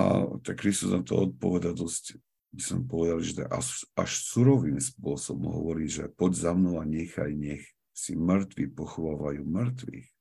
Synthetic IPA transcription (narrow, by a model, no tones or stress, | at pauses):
a̰t̪akɾist̪uznat̪ɔ̰ɔt̪̚pɔʋɛd̪ad̪ɔsc | bisɔmpɔʋɛd̪alʒɛt̪a̰a̰ʃa̰ʃsuɾɔʋiːmspʊɔsɔbɔmɦɔʋɔɾiːʒɛ̰pɔɟzamnɔʊaɲɛxa̰jɲɛx | simɾ̩t̪ʋipɔxɔʋaːʋajuːmɾ̩t̪ʋḭx